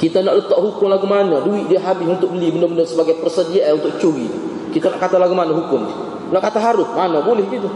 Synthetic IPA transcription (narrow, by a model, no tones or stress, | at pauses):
kit̪anaʔlət̪aʔhukʊŋlaɡumanaduwiʔ̚diaɦabɪsunt̪ʊk̚bəlibəndərbəndərsəbaɡajpərsədiaʔaunt̪ʊk̚t͡ʃuɾḭ | kit̪anaʔkat̪alaɡumanaɦukʊm | naʔkat̪aɦaɾʊs̚manabolɛhɡit̪u